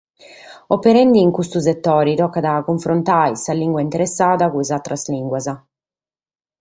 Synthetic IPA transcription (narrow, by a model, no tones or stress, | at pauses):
opːɛɾɛnd̪iːŋkust̪us̬ɛt̪ːɔːɾit̪ɔkːad̪akuɱfɾont̪ajsaliŋɡwaint̪ɛɾɛsːaːðakuizat̪ɾazliŋɡwaza